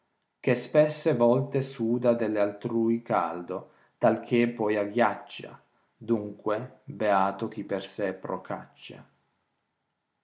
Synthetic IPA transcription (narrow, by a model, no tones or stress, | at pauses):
k̟espɛsːevɔlt̪esuːd̪ad̪elːealt̪ɾuːika̰ld̪o | t̪alk̟epːɔjaɡjat͡ʃːa̰ | d̪uŋkwebeaːt̪ok̟ipːersɛpːɾoka̰t͡ʃːa̰